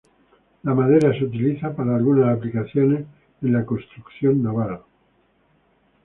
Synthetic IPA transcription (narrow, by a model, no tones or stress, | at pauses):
lamaðeɾasut̪iliθapaɾaːlɣunasaplikaθjones | enlakonst̪ɾukθjonːoβaða